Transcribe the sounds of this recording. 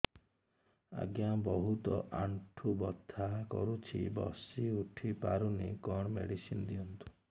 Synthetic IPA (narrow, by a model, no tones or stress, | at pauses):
a̰ɡjabɔɦut̪ɔʔaɳʈʰubɔt̪ʰːakɔ̰ɾut͡ʃʰḭbɔ̰siuʈʰipaɾunikɔɳ̃mḛɽisinɔd̪iɔnt̪u̥